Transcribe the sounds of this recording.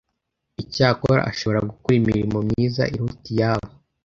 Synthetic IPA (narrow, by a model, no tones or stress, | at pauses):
icaːkoɾa̰ʔa̰ʃo̞βo̞ɾaɡukuɾimiɾimo̞mɲiːza̰ʔiɾutijaːβo